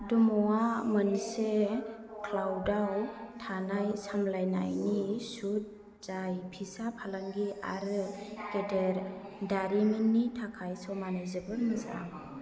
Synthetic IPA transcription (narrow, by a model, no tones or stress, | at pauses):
dɔmɔwamɯnsekʰlawdawtʰanajsamlajna̰jnisut̚ | z̥ajpʰisapʰalaŋɡia̰ɾɯkedeɾ | daɾiminːitʰakʰajsɔmanazɯbɯlmɯza̰ŋ